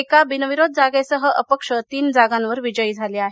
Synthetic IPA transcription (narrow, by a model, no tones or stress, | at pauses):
ekabinəʋiɾod̪̚d͡zaɡesəɦəʔəpəkʂət̪iːnd͡zaɡanʋəɾʋid͡ʑəiːd͡zʱaleaɦe